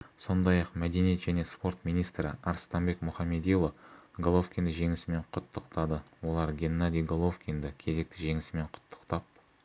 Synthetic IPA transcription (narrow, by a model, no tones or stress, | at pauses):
so̞nd̪ɑjɑqmæd̪e̞nijet̪ʒænespo̞rt̪mijnijst̪ɾɪ̰ɑɾst̪ɑmbe̞kmʊχɑmːe̞d̪ijlˠoɡolˠo̞fkʲind̪ɪʒe̞ŋɪsɪme̞ɴqʰʊt̪ːəqt̪ɑd̪əwo̞lˠɑɾɡʲe̞nːad̪ijɡolˠo̞fkʲind̪ɪkʲʰe̞ze̞k̚t̪ɪʒe̞ŋɪsɪme̞ɴqʰʊ̥t̪ːə̥qt̪ɑp̚